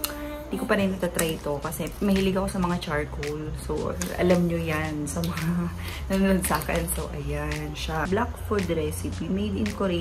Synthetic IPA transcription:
hɪnd̪ikopɐnɐnot̪at̪ɾɐjt̪o̞kɐsɛmɐhilɪɡɐko̞sɐmɐŋat͡ʃaɹ̚kowlsoʔɐ̰lamɲojansɐmɐŋa | nɐnod̪̚saːkɛnsoʔɐjanʃablakfoɹd̪ɾɛsɪpimɛjd̪ɪnkoɾɪ

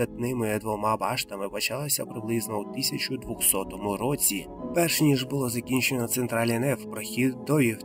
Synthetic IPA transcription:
ɐt̪nɪmɪd̪ʋɔmɑbɑʃt̪ɐmɪpɐt͡ʃɑlˠɐsʲɐpɾɪblˠɪznɔut̪ɪsʲɐt͡ʃʊd̪ʋʊxsɔt̪ɔmʊɾɔt͡sʲi | pɛrʃnʲiʒbʊlˠɔzɐkʲinʲt͡ʃenɔt̪sent̪ɾɑlʲɛnɛfpɾɔxʲid̪d̪ɔjix

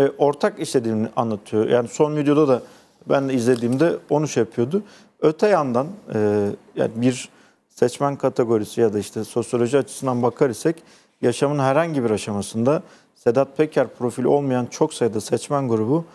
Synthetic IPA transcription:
ɛʔo̞ɾt̪ʰakiʃlʲe̞d̪iːmniʔanlːˠat̪ʰɯjo̞jʔa̰ːniso̞nvid̪jo̞d̪ad̪a | bænd̪ɛizlʲe̞d̪iːmd̪ɛo̞nuʃjapʰɯjo̞d̪ʊ | øt̪ʰɛjand̪anɯːja̰ːnibiɾ | sɛt͡ʃmænkʰat̪ʰeɡo̞ɾisijad̪aiʃt̪ʰɛso̞sjo̞lʲo̞ʒiat͡ʃʰɯ̥sɯnd̪anbakʰaɾisɛc | jaʃamɯnɦæɾhaɲɟibiɾaʃamasɯnd̪a | sed̪at̪̚pʰecʰæɾpɾo̞filʲo̞lˠmajant͡ʃʰo̞ksajd̪asɛt͡ʃmænɡuɾubʊ

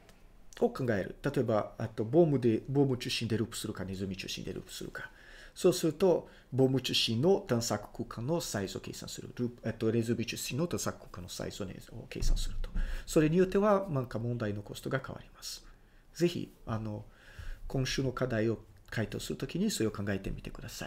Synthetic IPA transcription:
o̞kãŋɡae̞ɾɯ̟̰t̪at̪o̞e̞baet̪ːo̞bo̞ːmɯ̟d̪e̞bo̞ːmɯ̟t͡ɕɨɕĩnd̪e̞ɾɯ̟ːpɯ̟̥sɨɾɯ̟kane̞zɨmʲit͡ɕɨ̰ːɕḭ̃nd̪e̞ɾɯ̰ːpɯ̟̥sɨɾɯ̟̰kḁ | so̞ːsɨɾɯ̟t̪o̞ | bo̞ːmɯ̟t͡ɕɨɕĩnːo̞t̪ãɰ̃sakɯ̥kɯ̟ːkʰãnːo̞saizɨo̞̰ke̞̰ːsã̰ɰ̃sɨ̰ɾɯ̰ɾɯ̟ːpɯ̥et̪ːo̞ɾe̞zɨmʲit͡ɕɨɕĩno̞t̪ãsakɯ̟̥kːɯ̟̥ːkãnːosa̰ḭzonḛo̰kḛsã̰ɰ̃sɨɾɯ̟t̪oso̞ɾe̞ɲ̟ijo̞t̪ːe̞βanãŋkamõ̞nd̪aino̞ko̞st̪o̞ɡaka̰βa̰ɾʲimasɨ̥ | ze̞çḭano̞kʰõ̞ɕɨːno̞kad̪aio̞ | kʰait̪o̞̰ːsɨɾɯ̟t̪o̞kʲiɲ̟iso̞ɾe̞o̞kãŋɡaet̪e̞mʲit̪e̞kɯ̟d̪asai

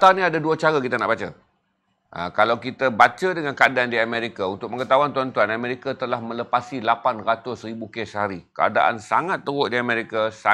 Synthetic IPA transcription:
t̪aanĩadaduat͡ʃaɾakit̪ana̰ʔbat͡ʃa | ʔə̰kalawkit̪abat͡ʃadəŋankəadaandiamɛɾikaunt̪ʊk̚məŋət̪auant̪uant̪uanamẽɾikat̪əlahmə̃ləpasilapanrat̪ʊsɾibukɛshaɾikəa̰da̰ʔa̰nsaŋat̪ːəwʊʔdiamẽɾikasa

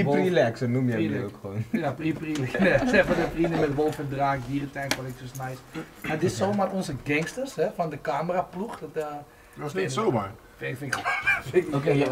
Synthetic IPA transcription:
prilɛksənumjɛokʋoːnjapiprilɛkɛsɛfɔdəprinəmɛtʋoːlˠfəndraːkɦiːrəntɛjnkɔnɛk̚tosnajs | madɪsomarɔnsəɡɛŋstərshɛfɔndəkaːmərapluxdɔtə | soma | ffɪfɪkke

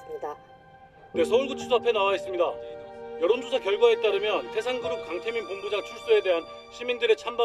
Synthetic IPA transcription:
ida | ne̞sʰʌuɭɡut͡ɕʰusʰapʰe̞nawais͈ɯmɲidajʌɾond͡ʑʰosʰakjʌɭɡaɦet͈̚aɾɯmjʌnsʰe̞sʰaŋdɯɾok̚k͈aŋtʰeminponbud͡ʑat͡ɕʰuɭs͈ue̞de̞ɦan | ɕʰimindɯɾet͡ɕʰamba

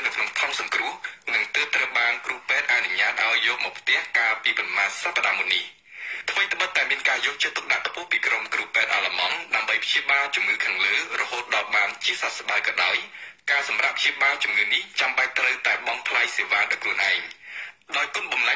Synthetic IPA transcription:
nɨwkʰnoŋt̪ʰɑnsɑŋkrʊəhnɨŋt̪əːp̚t̪rəwɓaːnkruəhpɛːt̪̚ʔa̰nuɲaːt̪̚ʔaɔjːɔːʔ̚mɔːk̚pʰt̪ɛ̆əhkaːpiːpɑnmaːnsapːaɗaːmunːih | t̪ʰʋəjt̪ʰə̆ɓət̪ːaɛmiənkaːjɔːk̚t͡ɕət̪ːuk̚ɗa̰ʔt̪ʰpuəhpiːkromkruhpɛːt̪ʔa̰ːlamɑŋɗaəmɓəjpʰɕiəɓaːlt͡ɕumŋɨːkʰaːŋləːrɔhoːt̪̚ɗɑlɓaːnt͡ɕiəsat̪̚sɓaəkɑːɗaɔjkaːsɑmrapʰɕiəɓaːlt͡ɕumŋɨːniht͡ɕamɓac̚t̪rəwt̪aɛɓɑŋpʰlajseːʋaːɗaɔkʰruənʔaɛŋɗaɔjkʊənɓɑnla

